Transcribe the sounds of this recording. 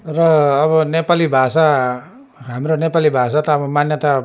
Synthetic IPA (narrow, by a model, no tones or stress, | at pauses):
rʌːβʌnepalibʱasa | ɦamronepalibʱasat̪ʌːbʌmanjʌt̪a